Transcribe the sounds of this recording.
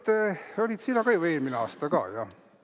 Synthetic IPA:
t̪olʲid̪̥sinːɑkɑjue̞ːlmineɑ̰ːst̪ɑkɑ̰ːjɑ̰

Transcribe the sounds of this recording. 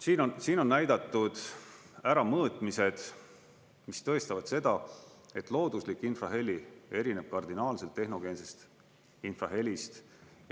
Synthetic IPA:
siːnonsiːno̞nːæjd̪̥ɑt̪ːˑud̪̥ | æɾɑmɤːt̪ˑmise̞d̪̥ | mist̪ɤ̞est̪ɑvɑd̪̥se̞d̪̥ɑe̞t̪ːˑlo̞ːd̪uslikːˑinfrɑɦe̞lʲie̞ɾine̞b̥̚kɑrd̪̥inɑːlse̞lt̪ːeɦno̞ɡ̥e̞ːnsest̪ | infrɑ̰ɦe̞lʲist̪

